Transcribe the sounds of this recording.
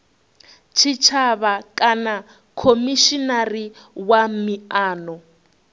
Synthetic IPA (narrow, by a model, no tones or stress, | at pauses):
t͡ʃʰit͡ʃʰaβakʼana | kʰomiʃinari | wamiaːnɔ